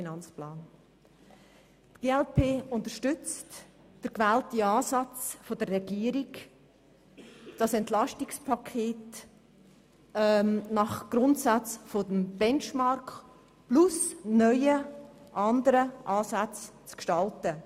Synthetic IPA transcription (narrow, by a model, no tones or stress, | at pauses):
finɑnt͡splaːn | tɡ̥eːɛlpʰeːʊntəɾʃtʏt͡st | d̥əɾkvɛːltiɑːsɑt͡sfodərːɛɡ̥iːəɾiɡ | d̥ɑsɛntlɑʃtɪkspʰɑkʰeːt | mnɑχɡ̥ɾʊntsat͡sfodəmb̥ɛnt͡ʃmɑrkχ | plʊsnœʏəʔɑndəɾəʔɑːsat͡st͡skʃtɑltə